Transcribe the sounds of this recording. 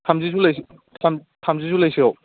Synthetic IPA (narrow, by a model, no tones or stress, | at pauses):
tʰamzizulajs | tʰam | tʰamzizulajsiaw